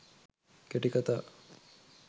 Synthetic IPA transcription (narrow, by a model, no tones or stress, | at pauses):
keʈikat̪aː